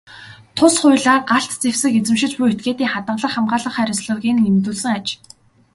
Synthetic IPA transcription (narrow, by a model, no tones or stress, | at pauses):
t̪ʰʊsχʊjɮaːɢaɬt̪t͡sewsɘ̆ket͡sɘ̆mʃɪ̆t͡ɕpuet̪̚ɡeːt̪iːŋχat̪ə̆ɴɮə̆rχamɢaːɮə̆χæːɾʲɪ̆sɮə̆rɣʲiːnemt̪uːɮsɘ̆ŋat͡ɕ